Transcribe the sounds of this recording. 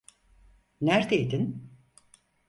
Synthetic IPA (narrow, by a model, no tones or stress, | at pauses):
næɾd̪ejd̪in